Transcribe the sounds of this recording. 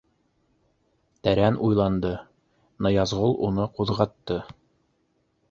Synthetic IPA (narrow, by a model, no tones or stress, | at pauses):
t̪æɾænujlˠɑnd̪ɤ | nɑjɑzʁolˠunɤquðʁɑt̪ːɤ